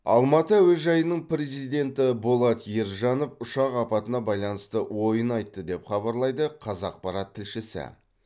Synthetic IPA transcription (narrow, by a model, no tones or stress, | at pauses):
ɑ̰lˠmɑt̪əwɵzʒɑjənəɴpɾe̞zijd̪e̞nt̪ɪbolˠɑt̪jeɾʒɑnofʊʃɑqɑpɑt̪ənɑbɑjlˠɑnəst̪əwo̞jənɑjt̪ːəd̪e̞pχɑbɑɾlˠɑjd̪əqʰɑzɑq̚pɑɾɑt̪ʰːɪlʃɪsɪ̰